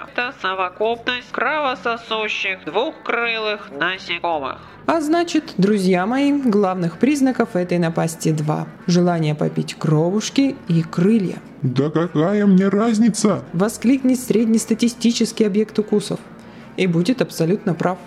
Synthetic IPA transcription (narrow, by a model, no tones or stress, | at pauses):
t̪əsəvɐkup̚nəsʲtʲkɾɐvəsɐsuɕːɪxd̪vuxkɾɨlˠɨxnəsʲɪkomɨ̰x | ɐznat͡ɕɪt̪d̪ɾʊzʲjamɐiɡlˠavnɨxpɾʲiznəkəfɛt̪əjnɐpasʲtʲɪd̪va̰ʐɨlˠanʲɪjəpɐ̰pʲitʲkrovʊʂkʲɪikɾɨlʲjə̰ | d̪əkɐkajəmnʲeɾazʲnʲɪt̪səvɐsklʲiknʲɪt̪ʲsʲɾʲedʲnʲɪst̪ətʲɪsʲtʲit͡ɕɪskʲɪjɐbjekt̪ʊkusəf | ibudʲɪt̪ɐpsɐlʲut̪nəpɾaf